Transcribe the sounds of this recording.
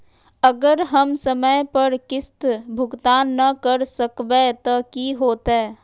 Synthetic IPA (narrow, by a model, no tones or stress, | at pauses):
əɡəɾɦəmsəməjpəɾkɪst̪bʱʊɡt̪aːnːɐkəɾsəkbet̪okiɦoːt̪eː